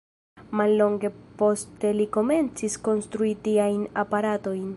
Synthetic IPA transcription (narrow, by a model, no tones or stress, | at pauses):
malːo̞ŋɡe̞po̞ste̞liko̞me̞nt͡sisko̞nst̪ɾuitiajnapaɾato̞jn